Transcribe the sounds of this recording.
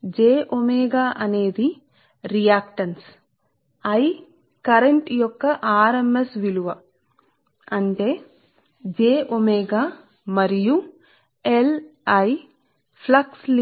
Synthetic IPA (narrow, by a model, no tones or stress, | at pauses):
d͡ʒeːʔomeːɡaːʔɐne̞ːd̪i | ɾijaːkʈɐns | ɐj | kɐɾeɳʈjɔkːɐʔaːɾɐmbɐsʋiluʋɐ | ɐɳʈe̞ː | d͡ʒeːʔomeːɡaː | mɐɾiju | elɐj | pʰlɐksli